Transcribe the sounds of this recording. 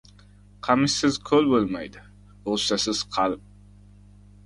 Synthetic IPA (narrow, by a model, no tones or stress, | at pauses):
qʰɑmɪʃɪzkʰɵlbolˠmajd̪ɪ | oʃt̪asɪz̥qʰɑlˠɪp̚